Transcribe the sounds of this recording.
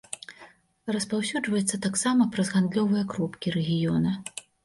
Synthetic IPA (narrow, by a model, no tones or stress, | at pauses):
rɐspawsʲud͡ʐvɐjɛt̪sːɐt̪aksamɐpɾɐzɣand̪lʲɔvɨjɐkɾɔpkʲiɾɛɣʲijɔnɐ